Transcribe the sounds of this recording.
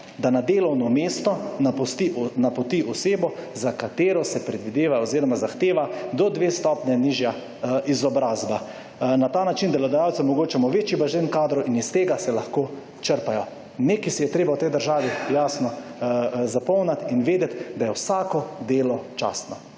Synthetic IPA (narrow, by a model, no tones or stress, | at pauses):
d̪anad̪eːlɔwnɔmeːst̪ɔnpɔst̪inapɔt̪iʔɔseːbɔzakat̪eːɾɔsɛpɾɛd̪ʋid̪eːʋaoziːɾɔmazaxt̪eːʋad̪ɔd̪ʋeːst̪ɔpnjɛniːʒja | ʔizɔbɾaːzba | nat̪aːnat͡ʃind̪ɛlɔd̪ɛjaw̪sɛmɔɡoːt͡ʃɛmɔʋeːt͡ʃjibaʒenkaːd̪ɾɔʔinist̪eːɡasɛlaxkoː | t͡ʃəɾpajɔ | nekisijɛt̪ɾeːbawt̪ɛjd̪əɾʒaːʋijaːsnɔ | zapɔwnat̪inʋeːd̪ɛt̪d̪ajɛwsaːkɔd̪eːlɔt͡ʃa̰ːst̪nɔ